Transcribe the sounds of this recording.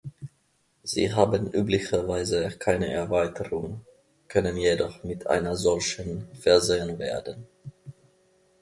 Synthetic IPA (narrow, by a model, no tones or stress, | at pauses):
z̥ḭːɦaːbənʔyːplɪçɐvaɪzəkʰaɪnə̰ʔɛɐvaɪtʰəʁʊŋ | kʰœnənjedɔχmɪtʰʔa̰ɪnɐzɔlçənfɛɐzeːənvḛːɐdən